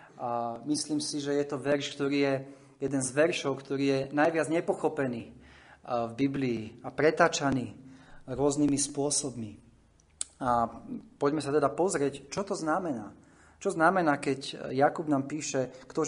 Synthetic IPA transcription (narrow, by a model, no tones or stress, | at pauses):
amisliːmsiʒɛjɛt̪ɔʋɛɾʃkt̪ɔɾiːjɛ | jɛd̪ɛnzʋɛɾʃɔʊkt̪ɔɾiːjɛnajʋɪad͡zɲɛpɔxɔpɛniː | vbibliːapɾɛt̪aːt͡ʃaniːɾʊɔzniːmispʊɔsɔbmi | apɔɟmɛsat̪ɛd̪apɔzɾɪɛct͡ʃɔt̪ɔznamɛnaː | t͡ʃɔznamɛnaːkɛɟjakubnaːmpiːʃɛkt̪ɔ